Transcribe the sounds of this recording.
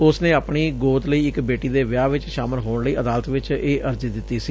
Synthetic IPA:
ʊsnẽːaːpɳiːɡoːt̪ləiːɪkbeːʈiːd̪eːʋɪjaːʋɪt͡ʃʃaːmɪlɦoːɳləiːʔəd̪aːlət̪ʋɪt͡ʃeːʔəɾziːd̪ɪt̪ːiːsiː

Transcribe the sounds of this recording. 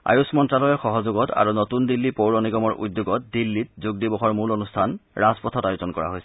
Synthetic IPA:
a̰jusmɔntɹalɔjɛxɔɦɔzoɡɔtʰa̰ɹunotundilːipowɹɔniɡɔmɔɹʔṵdjoɡɔt̚dilːit̚zuɡ̚dibɔxɔɹmulonustʰanɹazpɔtʰɔtajutɔnkɔɹa̰ɦojsɛ̥

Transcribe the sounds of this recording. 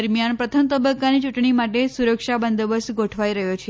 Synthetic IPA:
ɾmjanpɾət̪ʰəmət̪əbəkːanit͡ʃuʈɳimaʈesuɾəkʂabənd̪əbəst̪ɡoʈʰʋaiɾəɦjot͡ʃʰe

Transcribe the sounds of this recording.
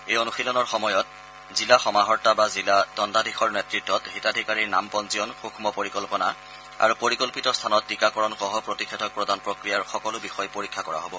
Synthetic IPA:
ejonuxilɔnɔɹxɔmɔjɔt̚ | zilaxɔmaɦɔɹtːabazilad̥ɔndadʱixʰɔɹnɛtɹitːɔthitadʱikaɹiɹna̰mpɔnziɔnxukʰmɔpoɹikɔlpɔna | a̰ɹupoɹikɔlpitɔstʰanɔtːikakɔɹɔnxɔɦɔpɹotikʰːetʰɔk̚pɹɔdʱanpɹokɹijaɹxɔkɔlʊbixɔjpoɹikʰːakɔɹa̰ɦobɔ

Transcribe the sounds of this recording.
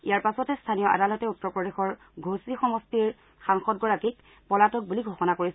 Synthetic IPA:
ijaɹpasɔtɛstʰanijɔʔa̰dalɔtɛutːɔɹpɹɔdexɔɹ | ɡʱosixɔmɔstiɹ | xaŋxɔd̚ɡɔɹakik | pɔlatɔk̚buliɡʱɔxɔnakoɹis

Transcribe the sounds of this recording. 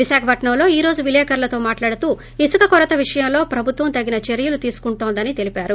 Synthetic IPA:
ʋiʃaːkʰɐpɐʈɳɐmlo̞ːiːɾo̞ːd͡ʒuʋilɛːkɐɾlɐt̪o̞ːmaːʈlaːɽut̪uː | isukɐkɔɾɐt̪ɐʋiʂɐjɐmlo̞ːpɾɐbʱut̪ʋɐmt̪ɐɡːinɐt͡ʃe̞ɾijulut̪iːsu̥kuɳʈoːnd̪ɐnit̪e̞lipaːɾu

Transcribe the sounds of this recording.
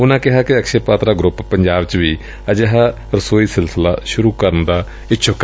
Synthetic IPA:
ʊnãːkɪɦaːkɪəkʃeːpaːt̪ɾaːɡɾʊppəɲd͡ʒaːbt͡ʃʋiː | əd͡ʒəɦaː | ɾəsoːiːsɪlsɪla̰ːʃʊɾuːkəɾənd̪aː | ɪtːʃʰʊkː

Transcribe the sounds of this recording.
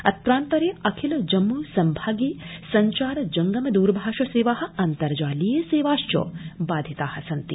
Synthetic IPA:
ɐt̪ɾaːnt̪ɐɾjeɐkʰilɐd͡ʒɐmːuːsɐmbʱaːɡeːsɐɲt͡ʃaːɾɐd͡ʒɐŋɡɐmɐd̪uːɾbʱaːʃɐseːʋaːɦɐ̆ɐnt̪ɐɾd͡ʒaːlijeseːʋaːʃt͡ʃo̰ːbaːd̪ʱit̪aːhɐ̆sɐnt̪ḭ

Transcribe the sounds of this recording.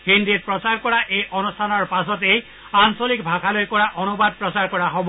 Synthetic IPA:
hindit̚pɹɔsaɹkɔɹaʔejʔɔnustʰanɔɹpasɔtej | ansolikbʱakʰalojkɔɹaʔɔnubad̚pɹɔsaɹkɔɹaɦobɔ

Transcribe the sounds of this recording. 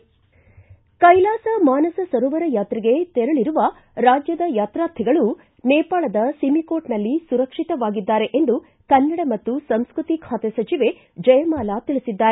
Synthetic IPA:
kɐjlaːsɐmaːnɐsɐsɐɾɔːʋɐɾɐjaːt̪ɾiɡe̞t̪ɛɾɐɭiɾuʋɐ | ɾaːd͡ʒjɐd̪ɐjaːt̪ɾaːt̪ʰiɡɐɭu | nɛːpaːɭɐd̪ɐsimikoːʈnɐlːisuɾɐkʂit̪ɐʋaːɡid̪ːaːɾe̞ʔend̪u | kɐnːɐɽɐmɐt̪ːusɐmskɾut̪ikʰaːt̪esɐt͡ʃiʋe̞ | d͡ʒɐjɐmaːlat̪iɭisid̪ːaːɾe

